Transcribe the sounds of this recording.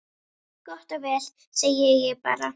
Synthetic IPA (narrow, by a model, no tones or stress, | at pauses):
kɔht̪ɔvɛːl̥ | sejːɛjɪpa̰ːɾa